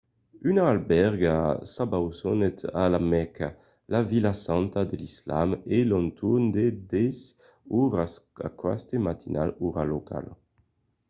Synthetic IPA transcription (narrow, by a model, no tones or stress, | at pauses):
ynaːlbɛʁɡasabawsɔnet̪alamɛkʰa | lavilasant̪ad̪elisla̰melɔnt̪ʰund̪ed̪ɛs | uʁasa̰kwa̰st̪emat̪ina̰luʁalokʰa̰l